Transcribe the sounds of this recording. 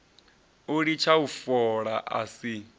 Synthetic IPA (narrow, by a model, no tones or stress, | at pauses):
uɺit͡ʃʰaufɔɺaʔa̰si